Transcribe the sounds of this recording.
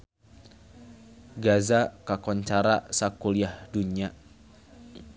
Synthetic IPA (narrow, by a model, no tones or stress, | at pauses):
ɡazakakɔɲt͡ʃaɾasakuliahduɲia